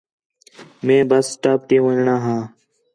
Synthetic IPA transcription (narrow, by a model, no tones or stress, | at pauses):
mẽːbəssʈaːp̚t̪ĩːʋəɳɳaːɦãː